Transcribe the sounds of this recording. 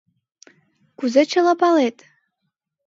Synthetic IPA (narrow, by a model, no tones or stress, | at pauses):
ɡ̥ʷuzat͡ʃʰalapʰʼaletʼ